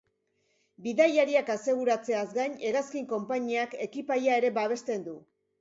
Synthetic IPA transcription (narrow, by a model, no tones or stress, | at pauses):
biðajaɾiakase̞ɣ̞uɾat͡se̞azɡaɲe̞ɣaskiŋko̞mpaɲiake̞kipajae̞ɾe̞baβ̞e̞st̪e̞nd̪u